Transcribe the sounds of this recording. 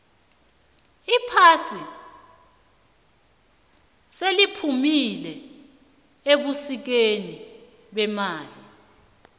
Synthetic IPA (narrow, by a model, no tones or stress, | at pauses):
ipʰasi | selipʰumilɛ | eɓusik̬eni | ɓɛmaːli